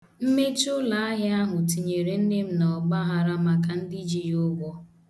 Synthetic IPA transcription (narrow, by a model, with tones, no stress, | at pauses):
m̩˦me˦t͡ʃʊ˦la˨a˦ɦɪ˦a˦ɦʊ˨ti˨ɲe˨ɾe˨n̩˦ne˦m̩˦nɔ˨ɡ͡ba˦ɦa˨ɾa˦ma˦ka˨n̩˦di˦d͡ʒi˦jʊ˦ɡʷɔ˦